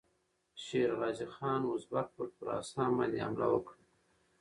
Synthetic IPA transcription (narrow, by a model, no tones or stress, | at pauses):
ʃeɾɣɑːzixɑːnwʊzbak̚pəɾpəɾɑ̰ːsɑmalia̰mla̰wəkɽ